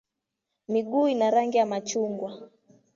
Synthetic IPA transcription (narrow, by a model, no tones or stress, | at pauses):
miɠuːinaɾaŋɡijamat͡ʃuŋɡwa